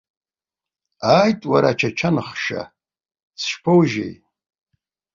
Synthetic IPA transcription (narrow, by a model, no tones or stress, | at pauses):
aːjtʼwaɾat͡ʃʰat͡ʃʰanɨχʃa̰ | sʰʃpʰowʒḛj